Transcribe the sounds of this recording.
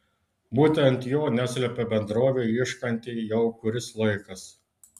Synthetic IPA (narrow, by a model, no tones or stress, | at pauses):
buːt̪ʲɛnt̪joːnʲæsʲlʲɛpʲebʲɛnd̪ɾoːʋʲeɪʃkɐnʲt̪ʲɪjɛʊkʊɾʲɪslˠɐɪkɐs